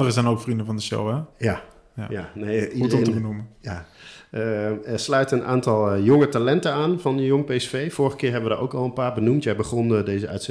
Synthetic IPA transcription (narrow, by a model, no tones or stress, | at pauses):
dərəzɛjnokfrindəvɑndəʃo̰wɛja | jjanejidətetənbənuməjaəɛrslœɥtənʔa̰ːntɑlˠjʊŋətalɛntəaːnvɑnəjʊŋpejsfejfʊːɹrəχə̥kɪːɹɦɛbəʋədaːɹʔowkɑlˠənpaːɹbənumtjɛjbəχɔndejzəœ̰ɥts